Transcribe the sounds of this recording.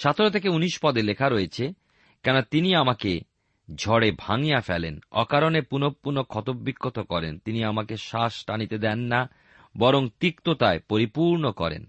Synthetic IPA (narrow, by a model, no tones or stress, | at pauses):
ʃat̪ʰoɾot̪ʰekeuniʃpɔd̪elekʰaɾoet͡ɕʰe | kɛnot̪iniamake | d͡ʑʱɔɽebʱaŋijafɛ̰lenɔ̰kaɾonepunopːuɾnokʰɔt̪obːikʰːot̪okɔɾḛnt̪iniamakeʃaʃʈanit̪ed̪ɛnːa | bɔɾoŋt̪ikt̪ot̪aepoɾipuɾnokɔɾḛn